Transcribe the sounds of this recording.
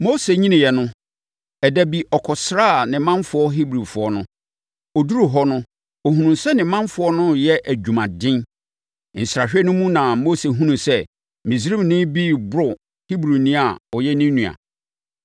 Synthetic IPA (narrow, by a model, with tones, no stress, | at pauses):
mo˦se˨ɲĩ˦nɪ̃˨jɛ˨nʊ̃˦ | ɛ˨dæ˨bi˨ʔɔ˨kʰɔ˨sɾaː˦˨nɪ̃˨mã˦fʊ˨˦ɔ˦ɦi˦bɾu˨fʊ˨ɔ˦nʊ̃˦ | ɔ˨du˦ɾu˨ɦɔ˦nʊ̃˦ | o˨ɦũ˨nũ˨sɛ˦nɪ̃˨mã˦ɱfʊ˨ɔ˦nʊ̃˦jɛ˦ʔæ˨d͡ʑᶣu˨mã˨dɪ̃˦n | n̩˨sɾa˨ɕᶣɛ˦nʊ̃˦mũ˦nã˨mo˦se˨ɦũ˦nũ˨sɛ˦ | mĩ˨s̬ɾĩ˦mnɪ̃˦bi˦bʊ˦ʊ˨ | hi˦bɾu˨nĩ˦a˨ɔ˨jɛ˦nĩ˦nːũ˨a̰˨